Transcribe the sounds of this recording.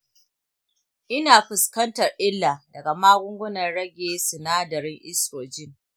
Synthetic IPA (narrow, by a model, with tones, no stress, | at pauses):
ʔɪ˦naː˨ɸɪ˨skɐ˦ntɐ˨rʔɪ˦lːaː˨dɐ˨ɡa˨maː˦ɡʷʊ˦ŋɡʷʊ˦nɐ˨rɽɐ˦ɡʲeː˦sʊ˨naː˦dɐ˨ɾɪ˦ŋʔɪ˦sɾoː˨d͡ʒɪ˦ŋ